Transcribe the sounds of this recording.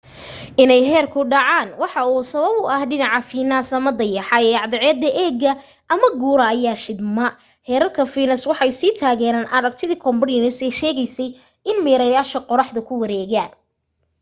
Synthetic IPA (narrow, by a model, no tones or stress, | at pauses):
ʔɪnɛjɦɛːrkʰʊɖɑʕɑːnwɑħɑuːsɐβɐbʊʔɐhɖɪnɑʕɑfiːnɐsɐmɐd̪ɐjɑħɑɛːɑʕd̪ɛʕɛːd̪ɐʔɛːɡɐ | ʔɐmɐɡuːɾɐːjaːʃɪd̪mɐ | hɛːɾɐlkʰɐfiːnɐswɑħɑjsiːt̪ʰaːɣɛːɾaːnʔɐɾɐɡ̚t̪ʰɪðiːkʰɔmbɐrjɪnʊsɛjʃɛːɣɛjsɛj | ɪnmɛːɾɐjaːʃɐqɔɾɑħd̪ɐkʰʊwɐɾɛːɣaːn